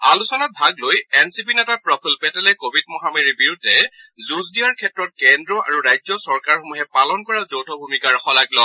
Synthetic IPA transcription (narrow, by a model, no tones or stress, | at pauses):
alusɔnat̚bʱaɡlojɛnsipinɛtapɹɔpʰulpɛtɛlɛkobʱid̚mɔɦameɹibiɹudʱɛzuzdijaɹkʰɛtɹɔt̚kɛndɹɔʔa̰ɹuɹajzɔsɔɹkaɹxomuɦɛpalɔnkɔɹazowtʰɔbʱumikaɹxɔlaklɔ